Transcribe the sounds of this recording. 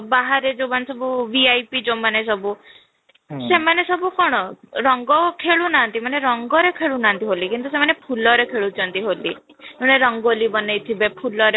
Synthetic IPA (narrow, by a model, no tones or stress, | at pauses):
baɦaɾed͡ʒomanesɔbubiajpid͡ʒomanes̬ɔbu | semanesɔbukɔɽ̃ɔɾɔŋɡɔkʰeɭunant̪imaneɾɔŋɡɔɾekʰeɭunant̪iɦolikint̪usemanepʰulɔɾekʰeɭut͡ʃʰɔnt̪iɦoli | neɾɔŋɡolibɔnejt̪ʰibepʰulɔɾe